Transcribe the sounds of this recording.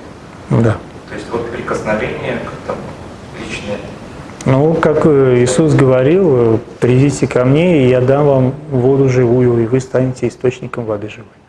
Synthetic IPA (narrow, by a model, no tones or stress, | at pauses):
d̪a | t̪o̞ɪsʲtʲvot̪pɾʲɪkəsnɐvʲenʲɪjəkakt̪am | lʲit͡ɕnəjə | nukakɪsusɡəvɐɾʲilˠpɾʲɪdʲitʲɪkɐmnʲeijad̪amvamvo̞d̪ʊʐɨvujʊivɨst̪anʲɪtʲɪːst̪o̞t͡ɕnʲɪkəmvɐd̪ɨʐɨvɨj